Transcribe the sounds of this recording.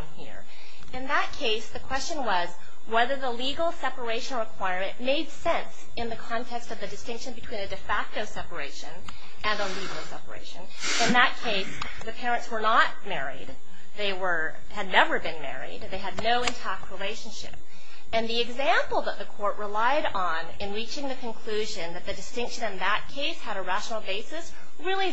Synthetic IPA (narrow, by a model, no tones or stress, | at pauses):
mhḭɹ | ɨ̃nðət̚kʰeɪsðɨkʰw̥ɛst͡ʃɨ̃nwʌz | wɛðə˞ðəliɡl̩ˠsɛpə˞eɪʃɨ̃nɹɨkʰw̥aɪɹmɨ̃nmeɪd̥sɛ̃ns | ɨ̃nðɨkʰɑ̃ntʰɛkstʌvðɨdɨstɪ̃ŋkʃɨ̃nbɨtʰw̥ĩnɨdɨfæk̚toʊsɛpə˞eɪʃɨ̃n | ʔɨ̃nəliɡl̩ˠsɛ̰pə̰˞ḛɪʃɨ̃n | ɨ̃nðət̚kʰeɪs | ðɨpʰɛɹɨ̃ntswə˞nət̚mɛɹḭd̪̚ | ðeɪwə˞ | ɨdⁿnɛvə˞bɨ̃nmɛ̰ɹḭd̪̚ðeɪɨdⁿnoʊɨ̃ntʰæk̚t̚ʰɹileɪʃɨ̃n̩ʃɪ̰p̚ | ɨ̃nðiɨɡzæ̃mpl̩ˠðət̪̚ðɨkʰɔɹʔɹəlaɪɾ | n̩ɪɨ̃nɹit͡ʃɪ̃ŋðɨkʰɨ̃nkʰl̥ʉʒɨ̃nðɨt̪̚ðɨdɨstɪ̃ŋkʃɨ̃nɨ̃nðət̚kʰeɪshɨɾɨɹæʃnl̩ˠbeɪsɨs | ɹɪlˠi